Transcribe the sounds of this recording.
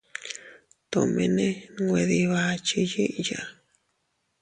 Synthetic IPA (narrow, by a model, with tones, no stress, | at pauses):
t̪õ˧mḛ̃˧nẽ˦˧ɡʷe˧ði˧βa˧t͡ʃi˧ji˦ʔja̰˧